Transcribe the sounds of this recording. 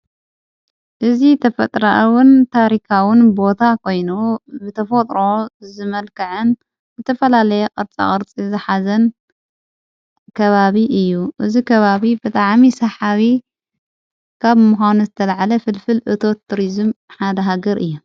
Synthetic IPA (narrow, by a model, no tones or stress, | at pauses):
ʔɨzit̪ʰɐfɐt̪ʼɾaʔwɨnt̪ʰaɾikʰawɨnbo̞t̪ʰakʰo̞jnubɨt̪ʰɐfot̪ʼɾo̞zɨmɐlkʰɐʕɨn | zɨt̪ʰɐfɐlalɐjɛqʼɨɾt͡sʼa̰kʼɨɾt͡sʼizɨħazɐn | kʰɐβaβiʔɨjːuʔɨzikʰɐβaβibɨt̪ʼaʕmisɐħaβi | kʰaβmuxʷanuzɨt̪ʰɐlaʕalɐfɨlfɨlʔɨt̪ʰo̞t̪ʰːuɾizɨmħad̪ɐɦaɡɐɾʔɨ̰jːu